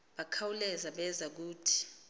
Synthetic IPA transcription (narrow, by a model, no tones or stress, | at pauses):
ɓakʰawulɛzaɓɛzak̬uːtʰi̥